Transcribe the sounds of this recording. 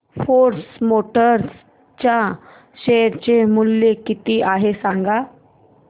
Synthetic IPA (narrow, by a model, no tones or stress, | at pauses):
foɾsmoʈəɾs | t͡ɕja | ɕeɾt͡ɕemulːekit̪iːʔaɦesaŋɡa